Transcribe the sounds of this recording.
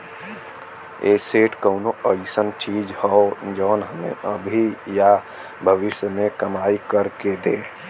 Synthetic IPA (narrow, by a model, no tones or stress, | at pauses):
eːseːʈkəʊnoəɪsənt͡ʃiːd͡ʒhɔod͡ʒɔːnɦəmḛ̃əbʱija | bʱəʋɪsjəmẽkəmaːikəɾked̪eː